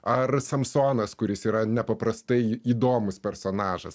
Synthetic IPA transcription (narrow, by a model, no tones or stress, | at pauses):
ɐrsɐmsoːnɐskʊɾʲɪsiːɾɐnʲɛpɐpɾɐst̪ɐɪiːd̪oːmʊspʲɛɾsoːnɑːʒɐ̰s